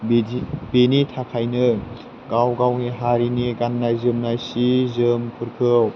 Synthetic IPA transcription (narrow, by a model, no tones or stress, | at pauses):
bbenitʰakʰajnɯ | ɡawɡawniɦaɾiniɡanːajzɯmnajsizɯmpʰɯɾkʰɯw